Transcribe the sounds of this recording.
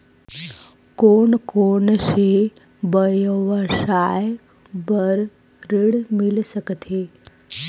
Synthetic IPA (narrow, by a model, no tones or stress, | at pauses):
koːɳkoːnʃe | bəjʋəʃaj | bəɾ | ɾɪɽmɪlsəkt̪ʰeː